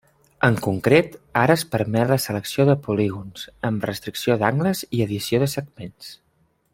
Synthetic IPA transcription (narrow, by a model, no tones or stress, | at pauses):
əŋkuŋkɾet̪aɾəːspəɾmɛt̪ləsələksioðəpuliɣunz̥əmrəst̪ɾiksioðaŋɡləziəðisioðəsəɡ̚mens